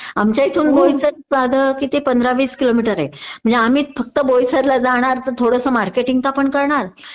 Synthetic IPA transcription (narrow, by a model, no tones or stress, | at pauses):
amt͡ɕjait̪ʰuːnbojsəɾsʋad̪ʱəkit̪ipənd̪ɾaʋiːskilomiʈəɾḛm̤ə̃ɳd͡zeamiːfək̚t̪əbojsəɾlad͡zaɽ̃aɾt̪əɾt̪ʰoɽəsəmaɾkeʈiŋɡt̪apəɳkəɾɳaɾ